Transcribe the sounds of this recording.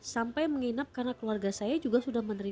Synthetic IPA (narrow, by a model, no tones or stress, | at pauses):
sampajməŋinap̚karnakluarɡasajad͡ʒuɡahsudahmənəɾi